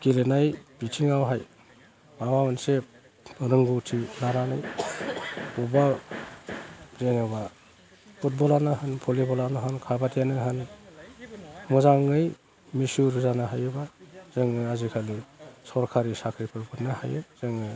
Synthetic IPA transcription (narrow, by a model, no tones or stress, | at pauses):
kilenajbitʰiŋawɦaj | mawamanse | ɾɯŋɡutʰilaɾanɯj | buba | zeŋɯba | pʰut̚bɔlanaɦanpʰɔlibɔlanaɦankʰabatijanɯɦan | mɔzaŋɯj | misuɾzanaɦajɯbaz̥eŋɯazikʰalisɔɾkʰaɾisakʰɾipʰɯɾpʰɯtnaha̰jɯ̰z̥eŋɯ